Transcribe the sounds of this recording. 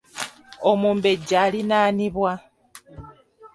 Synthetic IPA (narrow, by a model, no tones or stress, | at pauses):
omuːmbe̞ɟaːlinaːniβwa